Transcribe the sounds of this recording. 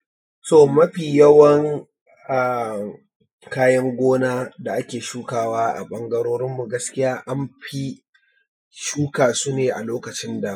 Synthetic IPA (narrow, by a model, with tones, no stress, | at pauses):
toː˦˨mɐ˦ɸiː˨jɐ˦wɐ˦ŋ | ʔa˨ | kaː˦jɐ˦ŋɡʷoː˦naː˦da˨ʔa˦kʲeː˨ʃuː˦kaː˦˨waː˦ʔa̰˨ɓɐ˦ŋɡɐ˦ɽoː˦ɽɪ˦mːu˨ɡɐ˦skʲɪ˦jaː˦ʔa˦mɸi˦ | ʃuː˦kaː˨suː˦neː˨ʔa˨loː˦kɐ˨t͡ʃɪ˦nda˨